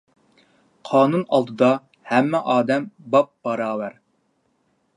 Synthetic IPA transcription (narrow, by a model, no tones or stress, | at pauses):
qʰɑːnunɑlˠd̪ɨd̪ɑ | hɛmːɛʔɑːd̪ɛmbɑp̚b̥ɑɾɑːvæɾ